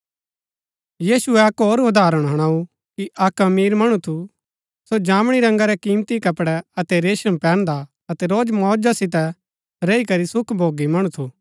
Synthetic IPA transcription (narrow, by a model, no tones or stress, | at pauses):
jiːsuɛɐkɦoːɾʊd̪ʱaːɾəɽ̃ɦɐɽ̃aːu | kiʔɐkɐmiːɾmɐɽ̃ut̪ʰu | sod͡ʒãːmɽ̃iɾɐ̃ŋɡaɾɛkĩːmt̪ikɐpɽɛɐt̪ɛɾeːʃə̃mpɛ̃ːnd̪a | ɐt̪ɛɾoːd͡ʒmɔːd͡ʒasɪt̪̬ɛ | ɾɛikɐɾisʊkʰbʱoːɡimɐɽ̃ut̪ʰuː